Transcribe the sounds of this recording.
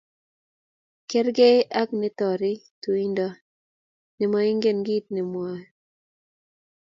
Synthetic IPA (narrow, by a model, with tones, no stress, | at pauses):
kɛ˦ɾɡe˦a˦knɪ˦t̪ɔ˨ɾɪ˦tu˨i˦ndɔ˦ | nɪ˨mɔ˨˦ɪ˦ŋɡe˦˨nɡi˦t̪̚nɪ˨mwa˨˦